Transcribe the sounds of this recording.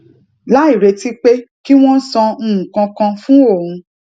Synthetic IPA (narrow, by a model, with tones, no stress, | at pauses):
la˦i˦˨ɾe˧ti˦k͡pe˦ki˦w̃ɔ̃˦sɔ̃˧˨kã˧kã˧fũ˦o˦˨ũ˧